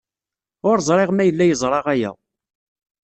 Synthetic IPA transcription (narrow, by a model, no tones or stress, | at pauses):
ʊɾzˤɾˤeʁmæjəlːæjəzˤɾˤɑʁæjæ̰